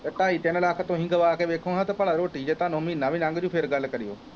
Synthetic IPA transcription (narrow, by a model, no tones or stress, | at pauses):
t̪ɐʈaːit̪enɐlaːkʰət̪õɦɪ̃ŋɡəʋaːkeʋeːkʰõːɦãt̪ɐpɐɭaɾoːʈid͡ʑeːt̪ãːnoɦmiːnːaːʋɪɲãːŋɡd͡ʑũːpʰeɾɡal̤kɐɾijo̰ː